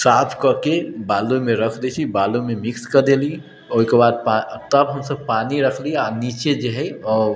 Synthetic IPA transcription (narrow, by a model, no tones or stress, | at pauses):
saːpʰkəɾkebaːlumẽɾəkʰd̪et͡ʃʰibalumemɪkskəɾd̪eli | oikebaːd̪̚pat̪əbɦəmsəb̚paːniɾəkʰlianit͡ʃed͡ʒeɦɛɔːɾ